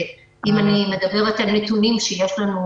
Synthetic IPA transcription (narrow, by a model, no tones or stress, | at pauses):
ʔimanimed̪ɐbeʁet̪alnet̪unimʃejeʃlanu